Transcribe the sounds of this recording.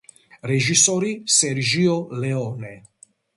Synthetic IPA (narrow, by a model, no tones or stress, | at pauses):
red͡ʒisoɾiseɾd͡ʒioleɔne